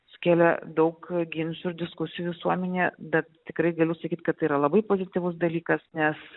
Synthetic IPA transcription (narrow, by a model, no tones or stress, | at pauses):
sʊ̥kʲæːlʲɛd̪ɐʊkɡʲɪnʲsʲʊɪɾd̪ʲɪskʊsʲɪjuʋʲɪsuɔmʲɛnʲeːbʲɛt̪t̪ʲɪkɾɐɪɡɐlʲʊsɐkʲiːt̪ʲkɐt̪t̪ːɐɪiːɾɐlˠɐbɐɪpoːzʲɪt̪ʲɪʋʊs̬d̪ɐlʲiːkɐsnʲɛs